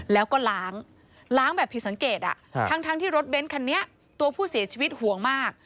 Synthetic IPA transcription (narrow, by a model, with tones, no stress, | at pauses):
lɛː˦˥wkɔː˥˩laː˦˥ŋ | laː˦˥ŋbɛː˨˩pʰːi˨˩t̚sa˩˦ŋkeː˨˩t̪̚ʔa̰˨˩t̪ʰa˦˥ŋt̪ʰaː˦˥ŋt̪ʰiː˥˩ɾo˦˥t̪̚be˦˥nkʰa˧nːi˦˥ɐ | t̪u˧ɐpʰuː˥˩si˨˩˦ɐt͡ɕʰiː˧wi˦˥t̪̚hu˨˩˦əŋmaː˥˩k̚